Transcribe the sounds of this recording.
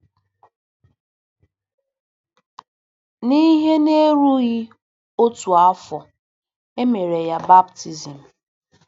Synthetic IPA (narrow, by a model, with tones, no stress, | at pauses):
ni˦ɦe˦ne˦ɾu˦ɣi˦ | o˦tu˨a˦fɔ˨ | e˦me˨ɾe˨ja˦ba˦bti˨zi˨m̩˨